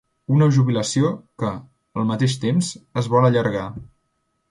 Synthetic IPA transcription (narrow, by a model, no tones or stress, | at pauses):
unəʒuβiləsiokə | əlˠmət̪eʃ̬t̪emzəzβɔləʎəɾɣa